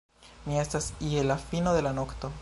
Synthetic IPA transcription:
mie̞stasielafinod̪e̞lano̞kt̪o̞

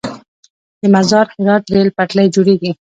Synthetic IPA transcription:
d̪əmazɑɾhɪɾɑt̪ɾelpaʈlajd͡ʒoɽeɡi

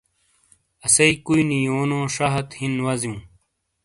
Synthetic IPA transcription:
ɐsɐikuinijoːnõːʂaɦɐt̪hinwɐzjũː

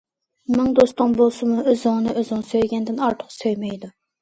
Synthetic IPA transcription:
mɪŋd̪ost̪ɨŋbolˠsɨmuøzɪŋnɨʔøzɪŋsøjɡʲɛnd̪ɪnɑɾt̪ʰə̥χsøjmɛjd̪u

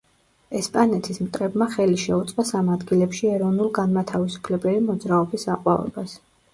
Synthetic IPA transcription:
ɛspʼanɛt̪ʰismt̪ʼɾɛbmaχɛliʃɛut̪sʼqʼasamad̪ɡilɛpʃiɛɾɔvnulˠɡanmat̪ʰavisu̥pʰlɛbɛlimɔd̪zɾaɔbisaqʼwa̰vɛ̰bas

